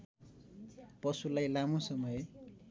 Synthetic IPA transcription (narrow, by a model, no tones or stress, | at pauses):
pʌsulajlamosʌmʌj